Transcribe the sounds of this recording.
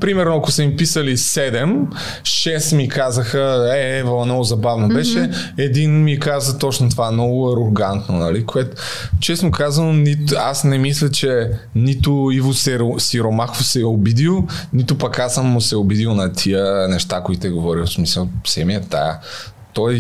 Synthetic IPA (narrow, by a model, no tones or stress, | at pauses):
pɾimɛɾnoɐkʊsɛmipisəlisɛd̪ɛm | ʃɛsmikazəxəɛɛvənɔɡʊzɐbavnobɛʃɛɛd̪inmikazət̪ɔt͡ʃnot̪ovaɛnɔɡʊɐɾoɡant̪nonɐlikoɛt̪o̥ | t͡ʃɛsnokazɐnonit̪asnɛmislʲɐt͡ʃɛnit̪ʊivʊsɛosiɾomaxvosɛobid̪ilˠnit̪ʊpɐkasamːʊsɛobid̪ilˠnɐt̪ʰiənɛʃt̪akoit̪ɛɡovɔɾilsmisəlˠfsɛmiət̪a̰ə̰ | t̪ɔj